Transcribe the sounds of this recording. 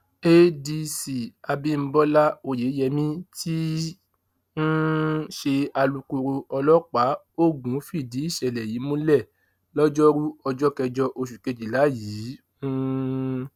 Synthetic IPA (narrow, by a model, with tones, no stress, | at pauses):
e˦di˧si˨a˧bĩ˦m̩˦bɔ˦la˦o˨je˨˦jɛ˧mĩ˦tʰi˦ | n̩˦ʃe˧a˧lu˧ku˧ɾu˧ɔ˧lɔ˦k͡pa˨˦ | o˦˨ɡũ˨˦fi˦˨di˨˦i˦˨ʃɛ˨lɛ˨jiː˨˦mũ˦lɛ˦˨ | lɔ˦d͡ʒɔ˦ɾu˦ɔ˧d͡ʒɔ˦kɛ˧d͡ʒɔ˧ʔo˧ʃu˨ke˨˧d͡ʒi˨la˨˦ji˨˦ | ũ˦